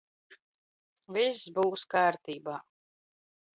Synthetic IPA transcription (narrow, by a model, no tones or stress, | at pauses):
viszbuːskaːɾt̪iːbaː